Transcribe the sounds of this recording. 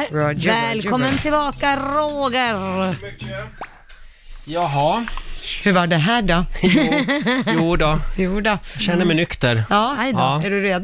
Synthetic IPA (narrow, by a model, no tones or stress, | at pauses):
ɾɔvɛlkʰɔmmːənt̪ʰɪlbɑːkaɾoːɡəɾ | jɑɦɑ | hɵɾvaɖɛɦæːɖɔ | juːd̪ɔjuːdɔɕɛnːəɾmɛnʏkt̪əɾɑːæɖɵɾeːd̪